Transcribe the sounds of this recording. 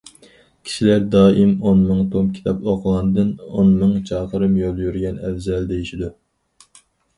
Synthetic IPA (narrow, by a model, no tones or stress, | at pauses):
kʲʰi̥ʃilæɾd̪ɑːimonmɨŋt̪ʰomkʲʰi̥t̪ʰɑpoqʰəʁˠɑnɨd̪ɨnonmɨŋt͡ʃʰɑːqʰəɾɨmjolˠjyɾɡʲɛnɛvzɛld̪ejiʃid̪u